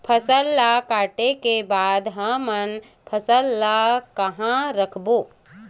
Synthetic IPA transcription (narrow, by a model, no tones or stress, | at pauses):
pʰəsəlːakaːʈekebaːd̪ɦə̃mən | pʰəsəlːakəɦãɾəkʰboː